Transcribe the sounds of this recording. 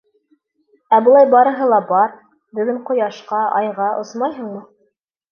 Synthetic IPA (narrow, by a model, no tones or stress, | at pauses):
æbŏlˠɑjbɑɾɤ̆ɦɤlˠɑbɑɾ | bɘ̆ðɡɘɴqŏjɑʃqɑʔɑ̰jʁɑʔosmɑjɦɤ̆ɴmɤ